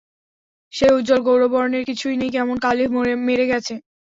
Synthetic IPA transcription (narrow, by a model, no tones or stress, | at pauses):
ʃeud͡ʑolɡowɾobɔɾoneɾkit͡ɕʰujnejkɛmonkalimoemeɾeɡɛt͡ɕʰe